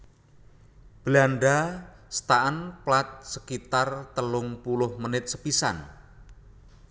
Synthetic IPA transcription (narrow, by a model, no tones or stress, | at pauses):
b̥əlanɖasə̥t̪aʔənplat̪̚səkit̪art̪əlʊŋpulʊhmənɪt̪̚səpisa̰n